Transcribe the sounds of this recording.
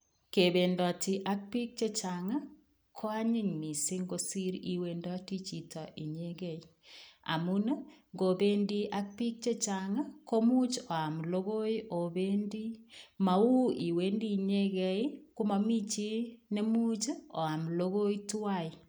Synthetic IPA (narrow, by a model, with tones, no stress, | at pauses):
ke˨be˨ndɔ˨ti˨ʔa˦k̚pi˦k̚t͡ʃe˦t͡ʃa˨ŋa˦ | kʰo˦a˦ɲɪ˦ɲmi˨si˦ŋɡo˦si˦ɾi˨we˨ndɔ˦ti˦t͡ʃi˨tɔ˨ʔi˨ɲe˦ɣɛ˦i˨a̰˨mu˦na˦ŋɡo˨be˦ndi˦ʔa˦k̚pi˦k̚t͡ʃe˦t͡ʃa˨ŋa˦ko˦mu˦t͡ʃo˨a˨m˨lo˦ɣo˦i˦ʔo˨be˦ndi˦ma˨u˦i˨we˦ndi˦ɲe˦ɣe˦i˦ku˦ma˨mi˦t͡ʃi˦ne˦mu˦t͡ʃo̰˨a˨m˨lo˦ɣo˦i˦tu˦wa˦i˨